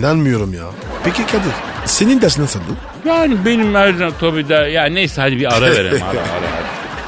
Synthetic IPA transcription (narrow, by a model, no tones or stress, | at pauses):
nænmɯjo̞ɾumja̰ː | pʰecicad̪i | senind̪æɾsinænsald̪ɯn | jaːnibenimæɾzat̪ʰobid̪ajaːnnejsɛhad̪ibiaɾaveɾḛma̰a̰a̰ɾa̰ɦa̰d̪i